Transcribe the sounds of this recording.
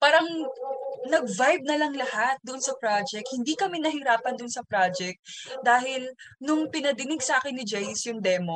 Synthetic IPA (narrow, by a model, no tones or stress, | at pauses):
paːɾɐŋ | nɐɡ̚vajb̚nɐlɐŋlɐhat̪̚d̪ʊʔnsɐpɾad͡ʒɛk̚t̪̚hɪnd̪ikɐmɛnɐhɪɾaːpɐnd̪ʊnsɐpɾad͡ʒɛk̚t̪̚d̪aːhɪlnʊŋpɪnɐd̪ɪnɪɡsʔaːkɪnːɪd͡ʒɛjɪsjʊŋd̪ɛmo